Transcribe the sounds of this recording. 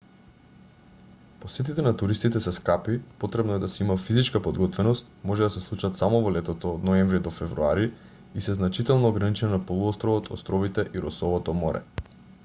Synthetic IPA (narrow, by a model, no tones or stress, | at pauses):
posɛt̪it̪ɛnat̪uɾist̪it̪ɛsɛskapipot̪ɾɛbnɔɛd̪asɛimafizit͡ʃkapod̪ɡɔt̪vɛnɔst̪̚mɔʒɛd̪asɛslˠut͡ʃat̪samɔvɔlɛt̪ɔt̪ɔːd̪nɔɛɱvɾid̪ɔfɛvɾuaɾi | isɛznat͡ʃit̪ɛlˠnɔːɡɾanit͡ʃɛnnapolˠuɔst̪ɾɔvɔt̪ɔ̰st̪ɾɔvit̪ɛʔiɾɔsɔvɔt̪ɔmɔɾɛ̰